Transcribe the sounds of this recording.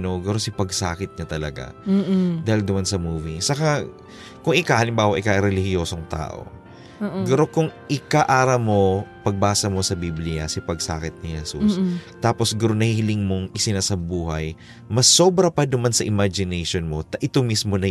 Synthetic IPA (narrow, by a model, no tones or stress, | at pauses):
noɡɐɾosɪpɐɡsaːkɪt̪̚ɲɐt̪ɐlɐ̰ɡa̰d̪aːhɪld̪ʊmɐnsɐmuːvisɐka | kʊŋɪkahɐlɪmbaːwɐʔɪkaʔɾɛlɪhɪjoːsoŋt̪a̰ːʔo̰ | ɡɐɾokʊŋʔɪkaʔaːɾɐmo̞pɐɡ̚baːsɐmo̞sɐbiblɪjɐ̰sɪpɐɡsa̰ːkɪt̪̚nɪhɛsṵst̪aːpo̞sɡʊɾoŋnɐhihɪlɪŋmo̞ŋʔɪsɪnasɐbuːhɐj | mɐsːo̞ːbɾɐpɐd̪ʊmansɐʔɪmad͡ʒɪnɛjʃonmo̞t̪ɐʔɪt̪omismo̞nɐ